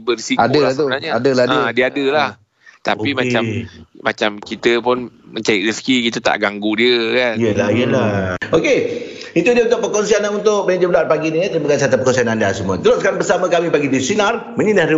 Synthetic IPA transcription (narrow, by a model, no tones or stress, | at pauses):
bərsikadət̪onaɲəadəlaə̃diəadəlah | t̪a̰pimat͡ʃammat͡ʃamkit̪əpʊnməɲt͡ʃajɪʔɾiskikit̪ət̪a̰ʔɡaŋɡudiəkanijəlaijəlaokeit̪udiəunt̪ʊʔ̚pəkɔnsianaunt̪ʊk̚bəad͡ʒəbəluat̪̚paɡiniət̪ɾibaɡansiat̪apərkɔnsianandasəmuət̪əloskaɾaŋbəsaməkamipaɡidisinar | məɲinahdə